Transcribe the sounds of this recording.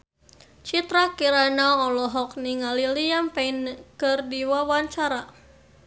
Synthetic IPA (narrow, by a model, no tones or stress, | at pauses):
t͡ʃit̪ɾakiɾanaɔlɔɦɔk̚niŋalilijampainkɨrdiwawaɲt͡ʃaɾa